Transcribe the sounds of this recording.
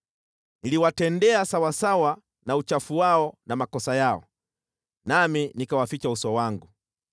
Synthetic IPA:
niliwatɛndɛasawasawa | naut͡ʃafuwaɔnamakɔsajaɔ̰ | naminikawafit͡ʃausɔwaŋɡu

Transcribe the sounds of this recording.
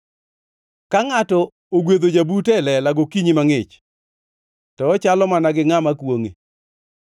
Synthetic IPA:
kaŋatɔ | oɡwed̪od͡ʒabutɛlɛlaɡokiɲimaŋɪt͡ʃ | tɔːt͡ʃalɔmanaɡɪŋamakwoŋe

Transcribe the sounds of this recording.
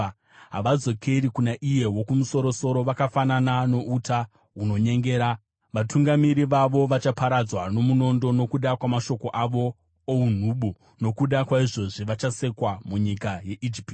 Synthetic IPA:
ɦa̰ʋad͡zo̞kʰe̞ɾikunaʔije̞wo̞kumuso̞ɾo̞so̞ɾo̞ʋakafananano̞ʔutʰa | ɦuno̞ɲe̞ŋɡe̞ːɾa | ʋatuŋɡamiɾiʋaʋo̞ʋat͡ʃapaɾad͡zwano̞muno̞ndo̞no̞kuɗakwamaʃo̞ko̞ʔaʋo̞ː | un̤uɓu | no̞kuɗakwaiʐo̞ʐiʋat͡ʃase̞kwamuɲikaje̞ʔid͡ʒip

